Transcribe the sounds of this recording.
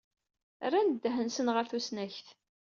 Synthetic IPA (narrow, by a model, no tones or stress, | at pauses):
rˤːænd̪ːɦənsənʁəɾθusnæçθ